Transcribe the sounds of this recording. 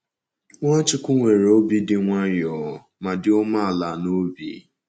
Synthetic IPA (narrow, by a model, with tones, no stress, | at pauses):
ŋʷa˦t͡ʃɪ˦kʷʊ˦ŋʷe˨ɾe˨o˦bi˦dɪ˦ŋʷa˦jɔ˨ | ma˨dɪ˦ʊ˦ma˦a˨la˨no˦bḭ˨